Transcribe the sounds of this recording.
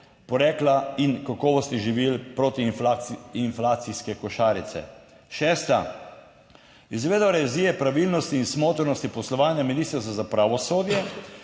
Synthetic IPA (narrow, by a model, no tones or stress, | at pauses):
pɔɾɛːklainkakɔːʋɔst̪iʒiʋilpɾoːt̪ifainflaːt̪siskɛkɔʃaːɾit̪sɛ̰ | ʃɛːst̪a | izʋeːd̪aɾɛziɛpɾaʋilnɔst̪iːnsmoːt̪əɾnɔst̪ipɔslɔʋaːnjaminiːst̪əɾst̪azapɾaʋɔsoːd̪jɛ